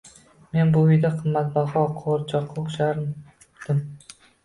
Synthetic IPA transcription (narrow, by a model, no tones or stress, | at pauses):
me̞nbʊʊjd̪aqʰɨmːat̪̚bɒχɒqʰoɾt͡ʃʰɒqʰːoʃaɾ | d̪̥ɪm